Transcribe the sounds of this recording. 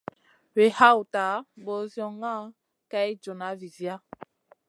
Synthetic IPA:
we˨ha˦wu˨ta˨˦bɔ˨zjɔ˨ŋa˦ | ka˦jd͡ʒo˨na˨˦vi˨zja˦

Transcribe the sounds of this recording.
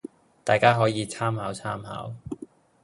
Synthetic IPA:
t̪aː˨jkaː˥ɦɔː˨˥jiː˨˧t͡sʰaː˥mhaː˨˥wt͡sʰaː˥mɦa̰ː˨˥w

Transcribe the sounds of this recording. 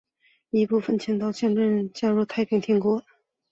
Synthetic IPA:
i˧˥pu˥˩fə˨˩nt͡ɕʰjɛ˧˥ŋt̪ɑ˥˧ʊɕjɛ˥˧ŋʈ͡ʂə˥˧˩nt͡ɕja˥˧ɻu˥˩t̪ʰa˥ɪpʰi˧˥ŋt̪ʰɛ˧˥ŋkwɔ˧˥

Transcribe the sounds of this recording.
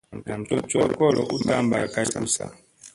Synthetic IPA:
a˨m̩˨tɔ˦˨t͡ʃɔ˦kɔ˦lɔ̰˨ʔu˦ta˦˨mba˨ka˦tu˦sa̰˨

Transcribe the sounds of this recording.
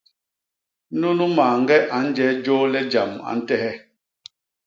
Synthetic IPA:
nu˦nu˦maː˨ŋ̩˦ɡɛ˦ʔa˨˦n̩˦d͡ʒɛ˨˦d͡ʒoː˦lɛ˦d͡ʒa˨ma̰˨n̩˦tɛ˦hɛ˦

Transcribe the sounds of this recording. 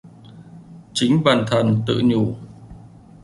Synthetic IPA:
t͡ɕï˨˦ŋ̟ɓaː˨˩nt̪ʰə˨˩nt̪ɨ̰˧˨ɲu˧˩

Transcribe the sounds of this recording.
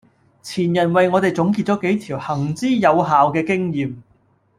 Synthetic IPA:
t͡sʰiː˨˩njɐ˨˩nwɐ˨jŋɔː˨˧t̪e˨jt͡sʊ˨˥ŋk̬iː˧t̚t͡sɔː˨˥ke˨˥jt̪ʰiː˨˩whɐ˨˩ŋt͡siː˥jɐ˨˧wɦaː˨wkɛː˧kɪ˥ŋjiː˨m

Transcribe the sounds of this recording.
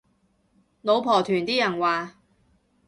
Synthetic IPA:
lo˨˧wpʰɔː˨˩t̪ʰyː˨˩nt̪iː˥jɐ˨˩nwaː˨

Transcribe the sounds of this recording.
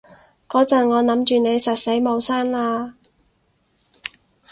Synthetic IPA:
kɔː˨˥t͡sɐ˨nŋɔː˨˧nɐ˨˥mt͡ʃyː˨ne˨˧jsɐ˨t̚se˨˥jmo˨˧wsaː˥nlaː˧

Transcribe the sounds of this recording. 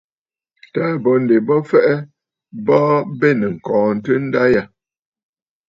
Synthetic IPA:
taː˨˦˨bɔ˨n̩˨de˨bɔ˦fɛ˦ʔɛ˦ | bɔ˦be˦˨nə˨ŋ̩˨kɔ̃ː˨n̩˨tə˦n̩˦da˦ja˨

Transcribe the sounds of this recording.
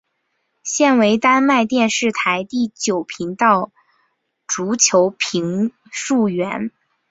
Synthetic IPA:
ɕjɛ˥˩nwe˧˥ɪt̪a˥nma˥˧ɪt̪jɛ˥˧nʂɻ̩˥˩t̪ʰa˧˥ɪt̪i˥˩t͡ɕjo˨˩ʊpʰi˧˥ŋt̪ɑ˥˩ʊ | ʈ͡ʂu˧˥t͡ɕʰjo˧˥ʊpʰi˧˥ŋ | ʂu˥˩ɥɛ˧˥n

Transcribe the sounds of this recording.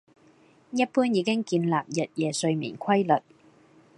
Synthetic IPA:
jɐ˥t̚puː˥njiː˨˧kɪ˥ŋkiː˧nlaː˨p̚jɐ˨t̚jɛː˨˩sɵ˧ɥmḭː˨˩nkʷʰɐ˥jlɵ˨˩t̚

